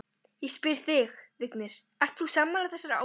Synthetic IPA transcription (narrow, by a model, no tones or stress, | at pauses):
jɛɣspɪɾ̥θɪxvɪknɪɾ̥ | ar̥t̪θusaːmːalaθɛsaɾaa̰